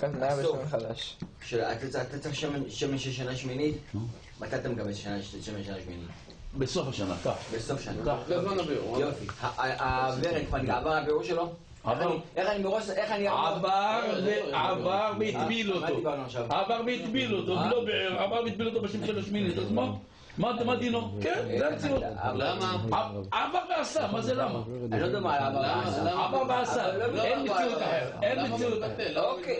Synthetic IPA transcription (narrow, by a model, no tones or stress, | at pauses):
aajasoanχad̪aʃ | ʃeat̪at̪at͡sʁiχʃemeʃemeʃeʃ̬anaʃminit̪ | mat̪at̪amekabesʃanaeʃemenʃanaʃminḭt̪ | besofaʃana̰t̪abesofaʃanat̪akzmanabḛṵjofihaabeʁekpaniʕavaʁabeuʁʃelo | xaniʔeχanibeʁoʃeχaniʕavaʁavaʁmeit̪bilotmod̪ibaʁnuaʃavavaʁbeit̪bilot̪olobeeavaʁmeit̪̚bilot̪̬obeʃemʃebaʃminit̪asmo | madmad̪inokenzeamet͡siutlamaaavaʁbeasamazelama | anilod̪emaavaaaavaʁbeasaenmet͡siut̪aeenmet͡siutateok